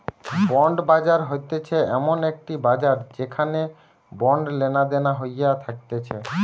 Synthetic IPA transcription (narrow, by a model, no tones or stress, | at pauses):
bɔɳɖbad͡ʑaɾɦojt̪et͡ɕʰeɛmonek̚ʈibad͡ʑaɾd͡ʑekʰane | bɔɳɖlenad̪enaɦojat̪ʰak̚t̪et͡ɕʰe